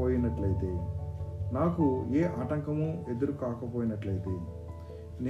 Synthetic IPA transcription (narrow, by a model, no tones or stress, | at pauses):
oːjinɐʈlɐjit̪e̞ː | naːkueːʔaːʈɐŋkɐmue̞d̪uɾukaːkɐpoːjinɐʈlɐjit̪eː | n